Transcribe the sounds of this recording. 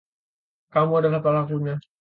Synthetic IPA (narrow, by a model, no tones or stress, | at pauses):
kamuadalahpalakuɲa